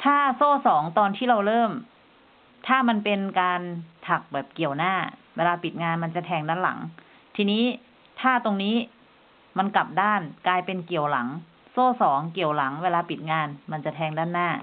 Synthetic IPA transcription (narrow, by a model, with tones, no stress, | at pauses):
t̪ʰaː˥˩soː˥˩sɔː˩˦ŋt̪ɔː˧nt̪ʰiː˥˩ɾa˧wɾɤː˥˩m | t̪ʰaː˥˩ma˧npe˧nkaː˧nt̪ʰa˨˩k̚bɛː˨˩p̚ki˨˩əwnaː˥˩weː˧laː˧pi˨˩t̪̚ŋaː˧nma˧nt͡ɕa˨˩t̪ʰɛː˧ŋdaː˥˩nla̰˩˦ŋ | t̪ʰiː˧niː˦˥ | t̪ʰaː˥˩t̪o˧ŋniː˦˥ | ma˧nkla˨˩p̚daː˥˩nklaː˧jpe˧nki˨˩əwla̰˩˦ŋ | soː˥˩sɔː˩˦ŋki˨˩əwla˩˦ŋweː˧laː˧pi˨˩t̪̚ŋaː˧nma˧nt͡ɕa˨˩t̪ʰɛː˧ŋdaː˥˩nːaː˥˩